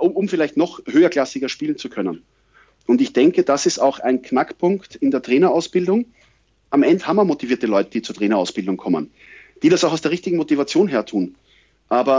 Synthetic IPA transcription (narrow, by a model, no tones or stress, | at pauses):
ʊʊmfɪlaɪçtnɔxhøːɐkl̥asɪɡɐʃpiːln̩t͡sukʰœnən | ʔʊntɪçd̥ɛŋkəd̥asɪstaʊxaɪnkʰnakpʰʊŋktɪndeːɐtʁ̥eːnɐaʊsb̥ɪldʊŋ | ʔamɛndəhamɐmotiviɐtəlɔʏtəd̥iːt͡suːɐtʁeːnɐaʊsb̥ɪldʊŋkʰɔmə̰n | d̥iːɾasaʊxaʊsdeːɐʁɪçtɪɡŋ̩motivat͡sjoːnɦeːɐtʰuːn | ʔaːbɐ